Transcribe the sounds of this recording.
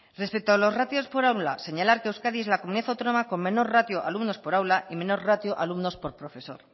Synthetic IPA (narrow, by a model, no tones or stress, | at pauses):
re̞spek̚t̪oalo̞zrat̪jo̞spo̞ɾawlase̞ɲalaɾkeewskaðie̞zlakomuniðaθawt̪ono̞mako̞mmẽ̞no̞rrat̪joʔa̰lumno̞spo̞ɾawlaʔimẽ̞no̞ɾrat̪joʔalumno̞spo̞ɾpɾo̞fe̞so̞̰ɾ